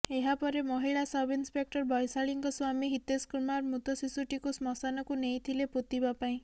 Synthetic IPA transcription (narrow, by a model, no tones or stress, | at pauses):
eɦapɔɾemɔɦiɭasɔbinspek̚ʈɔɾbɔjsaɭiŋkɔswamiɦit̪eskuɾmaɾmut̪ɔsisuʈikusmɔsanɔkunejt̪ʰileput̪ibapaĩ